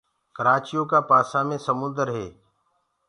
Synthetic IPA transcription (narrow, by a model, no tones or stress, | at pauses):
kəɾaːt͡ʃijõːkaːpaːsaːmẽːsəmʊ̃nd̪əɾɦeː